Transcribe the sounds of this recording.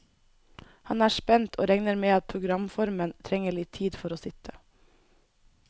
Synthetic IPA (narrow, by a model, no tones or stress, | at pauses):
hɑnæːʃpɛnt̪ʰoːɾɛŋnəɾmeːɑt̪̚pʰɾʊɡɾɑmfɔɾmənt̪ʰɾɛŋəɭɪt̪ʰːiːd̪fɔɾoːsɪt̪ʰə